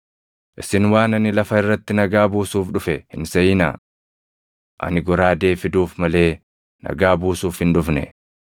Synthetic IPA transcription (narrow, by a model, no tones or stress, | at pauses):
ʔɪsɪnwaːnɐnɪlɐfɐɪrːɐt̪ːɪnɐɡaːbuːsuːfᶑʊfɛhɪnsɐjɪna̰ː | ʔɐ̰nɪɡɔɾaːd̪e̞ːfɪd̪uːfmɐle̞ː | nɐ̰ɡaːbuːsuːfhɪnᶑʊfnɛ̰